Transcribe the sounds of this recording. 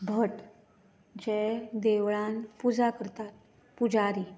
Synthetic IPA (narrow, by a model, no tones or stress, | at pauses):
bʱəʈ | d͡ʑed̪eʋɭãnpud͡zakəɾt̪at̪̚ | pud͡zaɾi